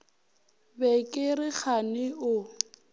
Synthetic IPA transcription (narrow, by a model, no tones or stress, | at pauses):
bɛkʼɪɾɪk͡xʰanɪʊ